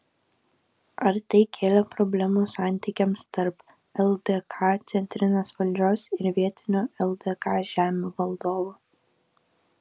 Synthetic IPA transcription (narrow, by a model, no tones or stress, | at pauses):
ɐɾt̪ɐɪkʲʰeːlʲɛpɾɔbʲlʲɛmuːsɑˑnʲt̪ʲiːkʲɛmst̪ɐɾp | ɛlˠd̪ɛkʰɑːt̪sʲɛnʲt̪ʲɾʲɪnosʋɐlʲd͡ʒʲoːsɪɾʋʲiɛt̪ʲɪnʲoːɛlˠd̪ɛkɑːʒʲæːmʲoːʋɐlˠd̪oːʋuː